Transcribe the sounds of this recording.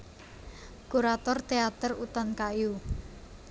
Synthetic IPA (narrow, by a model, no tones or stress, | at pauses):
kuɾat̪ɔrt̪eat̪ərut̪ɔnkaju